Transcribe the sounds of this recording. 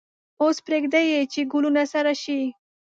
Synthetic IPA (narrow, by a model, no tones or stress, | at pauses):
ospɾeɡd̪ajet͡ʃeɡʊlunasaɾaʃi